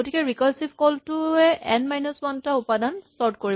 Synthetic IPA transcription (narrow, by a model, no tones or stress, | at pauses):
otikɛɹikɔlsipkɔltʊɛʔɛnmajnuswɔntaupadansɔɹt̚koɹi